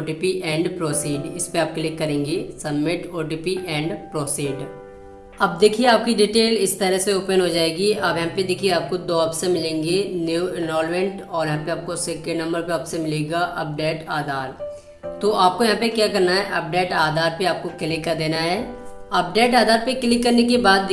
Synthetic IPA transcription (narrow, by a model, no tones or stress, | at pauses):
oʈiːpiʔɛ̃ːɳɖpɾoːsiːɖɪspeaːp̚keliekːɐɾẽːŋɡesɐbmɪʈoːʈiːpiʔɛ̃ːɳɖpɾoːsiːɖ | ɐb̚d̪eːkʰieaːp̚kiɖiːʈeːlɪst̪əɾəɦseoːpənɦod͡ʒaːeːɡiɐbjɐɦãped̪eːkʰieaːp̚kod̪oːɐpsemɪlẽːŋɡenuuɪnʋɔːlmɛ̃ɳʈ | ɔːɾjɐɦãpeaːp̚kosekːenɐ̃mbəɾpeaːpsemɪleːɡaʔɐ̰p̚ɖeːʈaːd̪ʱaːɾ | t̪oʔaːp̚kojɐɦãp̬ekjaːkɐɾnaɦɛʔɐp̚ɖeːʈaːd̪ʱaːɾpeaːp̚kokɪlɪkːad̪eːnaɦɛːɐp̚ɖeːʈaːd̪ʱaːɾpeklɪkːɐɾnekibaːd̪̚